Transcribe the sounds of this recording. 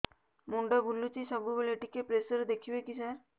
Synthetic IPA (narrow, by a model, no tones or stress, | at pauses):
muɳɖəbʱulːut͡ɕisəɡubeleʈikepɾesəɾd̪ekʰiʋekisa